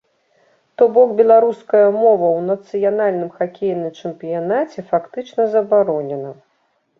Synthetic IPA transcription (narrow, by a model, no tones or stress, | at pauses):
t̪ɔbɔkbʲɛlˠaɾuskɐjɐmɔvɐwnɐt̪sɨjanalʲnɨmxakʲejnɨjt͡ʂɨmpʲijanat͡sʲɛfakt̪ɨt͡ʂnɐzɐbaɾɔnʲɛnɐ